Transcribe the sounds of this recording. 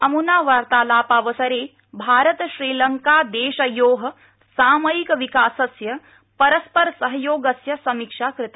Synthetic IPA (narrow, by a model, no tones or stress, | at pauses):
ɐmunaːʋaːɾt̪aːlaːpaːʋɐsɐɾeː | bʱaːɾɐt̪ʃɾiːlɐŋkaːd̪eːʃɐjoːɦɐ̆ | saːmɐjikɐʋikaːsɐsjɐ | pɐɾɐspɐɾɐsɐɦɐjoːɡɐsjɐsɐmikʂaːkɾɪt̪a